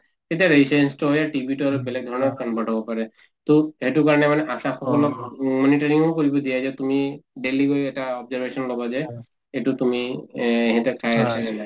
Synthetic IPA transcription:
hetaɹisɛnstɔɦjaʈibʱituaɹubɛlɛɡ̚d̪ʱɔɹɔnɔkanbadʱabɔpaɹɛ | tʊhetukaɹɔnɛmanɛʔasaxɔkɔlɔkmɔnitaɹiŋɔkoɹibɔdijazɛtumiɖeliɡojɛtaɔbzaɹbʱesɔnlɔbazɛ | etutumiɦɛtakʰajasɛ

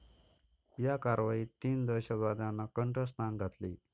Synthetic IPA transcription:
jakaɾʋajit̪iːnd̪əɕad̪ʋad̪janːakəɳʈɾəsʈnaŋɡʱat̪liː

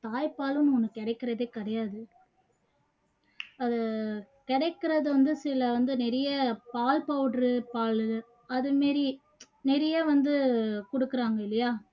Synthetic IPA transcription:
t̪aːjpaːlɯnːɔnːɐkːɛɽɐɪkːɪɾɐðeːkɐɽɐjaːðɯ | ɐðɯkɪɽɛɪkːɪɾɐðɯʋɐnd̪ɯsɪlɐʋɐnd̪ɯnɛɾɐjɐpaːlpɐʋʈɾɯpaːlɯ | ɐðɯmeːɾi | nɛɾɐjaːʋɐnd̪ɯkɔɽɯkːɯɾaːŋɡɐɪlːɐjaː

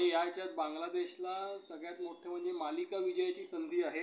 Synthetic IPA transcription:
ejat͡ɕjat̪̚bãŋɡlad̪eɕlasəɡɭjat̪moʈʰjem̤əɳd͡zemalikaʋid͡ʑəjat͡ɕiːsənd̪ʱiːaɦe

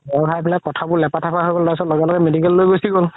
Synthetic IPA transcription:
ɔɹbʱajbɛlakɔtʰabʊɹlɛpatʰapʰaɦojɡoldasɔtlɔɡɛlɔɡɛmedikɛllojɡojsiɡol

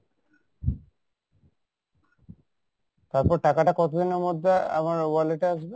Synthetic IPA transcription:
t̪aɾpɔɾʈakaʈakɔt̪ʰod̪ineɾmɔd̪ʱːea̰maɾwaleʈaaʃbe

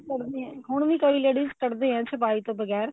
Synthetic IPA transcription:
kəɾd̪eɛ̃ːɦʊɳ̃ʋĩːkəiːleːɽiːzkəɾd̪eːɦɛ̃ːsɪp̬aːiːt̪õːbəɣɛːɾ

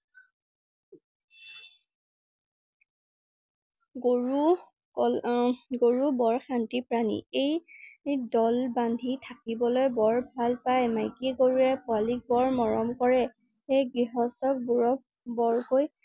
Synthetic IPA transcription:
ɡoɹu | ɡoɹubɔɹxantipɹanḭej | dɔlbandʱitʰakibɔlojbɔɹbʱalpajmajkiɡoɹuɛpʊalik̚bɔɹmɔɹɔmkɔɹɛ | ejɡɹiɦɔstɔk̚buɹɔ | bɔɹkoj

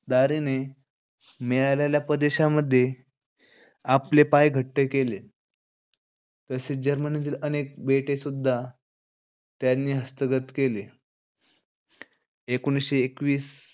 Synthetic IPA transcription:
d̪aɾine | meɭajlaljapɾəd̪eɕaməd̪ʱːje | aplepajɡʱəʈːekele | t̪əsed͡ʑəɾmənit̪iːlənek̚beʈesud̪ʱːa | t̪janːiːɦəst̪əɡət̪kele | ekoniɕeːkʋiːs

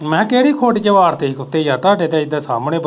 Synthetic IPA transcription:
mɛ̃ːkeːɽiːkʰoːɖit͡ʃəʋaːɾt̪eːikʊt̪eːjaːt̪aːɖeːd̪eːɪd̪eːsaːmɽ̃ẽːb

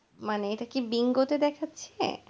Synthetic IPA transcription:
maneejʈakibiŋɡot̪ed̪ɛkʰatːɕʰḛ

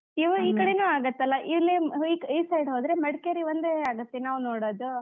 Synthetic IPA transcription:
iʋɐiːkɐɽenuːaːɡɐt̪ːɐlːɐʔiʋlːiikisɐjɖɦoːd̪ɾemɐɽkeɾiʋɐnd̪eaːɡɐt̪ːenaːʋunoːɽoːd̪u

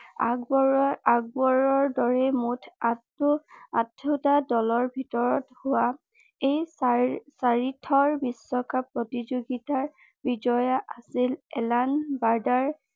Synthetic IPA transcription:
a | aɡ̚bɔɹɔɹdɔɹɛmutʰatːuatʰːutadɔlɔɹbʱitɔɹɔthʊwa | ej | saɹitʰːɔɹbisːɔkapɹɔtizoɡitaɹ | bid͡ʒɔjaʔasilɛ̰lanbaɹdaɹ

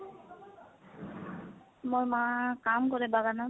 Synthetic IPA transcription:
moɹmakamkɔɹɛbaɡana

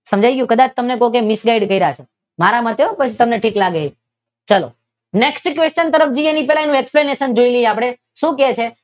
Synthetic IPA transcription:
səmd͡ʒajɡəjũkəd̪at͡ʃʰt̪əmnekookemɪsɡaiɖkəiɾəɦat͡ʃʰe | maɾamãt̪eopət͡ʃʰit̪əmneʈʰiklaɡe | t͡ʃəlo̰ | neksʈkʋest͡ʃənt̪əɾəfd͡ʒienipɛɦlaenũekspleneʃənd͡ʒoiləjapɽ̃e | ʃũket͡ʃʰe

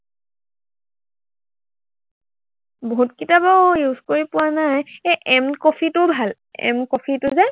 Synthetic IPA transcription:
boɦutkitabɔjuzkoɹipʊwanajeʔɛmkopʰitʊbʱal | ɛ̰mkopʰitʊzaj

